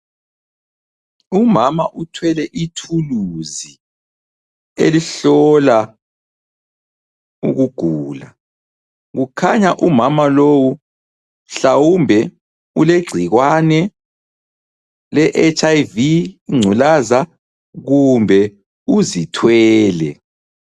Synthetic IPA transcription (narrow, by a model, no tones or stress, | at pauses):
umamaʔutʰwɛlɛʔitʰuluzi | ḛliɬɔla | ṵɣuɡ̥ʱuːla | ɣukʰaɲaʔumamalowu | ɬawumbʱɛ | uleɡ͡ǀʱiɣwanɛ | lɛʔɛt͡ʃʼajviŋ͡ǀʱulaza | ɣumbʱɛ | uzitʰwɛːlɛ̰